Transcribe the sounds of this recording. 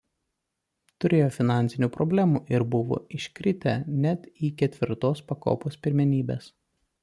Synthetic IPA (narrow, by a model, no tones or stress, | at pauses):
t̪ʊɾʲeːjoːfʲɪnɑˑnʲsʲɪnʲuːpɾɔbʲlʲæːmṵːʔɪɾbʊʋo̰ːɪʃʲkʲɾʲɪt̪ʲænʲɛt̪iːkʲɛt̪ʲʋʲɪɾt̪oːspɐko̰ːpoːspʲɪɾʲmʲɛnʲiːbʲḛːs